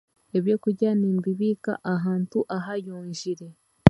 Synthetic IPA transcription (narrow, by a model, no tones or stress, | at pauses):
eβjo̞ːkuɟaːniːmbiβiːka̰ʔaɦaːntuʔaɦajuːɲʒiɾe̞